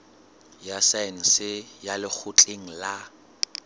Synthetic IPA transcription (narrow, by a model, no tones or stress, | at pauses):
jasan̩sɪjalɪk͡xʰʊt͡ɬʼeŋ̩la